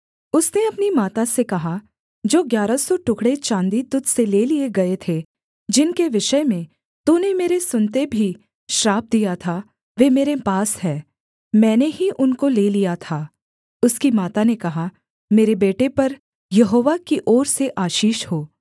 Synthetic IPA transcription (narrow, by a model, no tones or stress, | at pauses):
ʊsneɐpnimaːt̪asekɐɦa | d͡ʒoːɡjaːɾasɔʈʊkɽet͡ʃãːnd̪it̪ʊt̪ʰseleːlieɡɐet̪ʰe | d͡ʒɪnkeʋɪʃəmẽ | t̪unemeːɾesʊnt̪ebʱi | ʃɾaːb̚d̪ijat̪ʰa | ʋeːmeːɾepaːsɦɛː | mɛ̃ːneɦiʔʊnkoleːlijat̪ʰaː | ʊskimaːt̪anekɐɦa | meːɾebeːʈepɐɾ | jɐɦoːʋakiʔɔːɾseʔaːʃiːʃhoː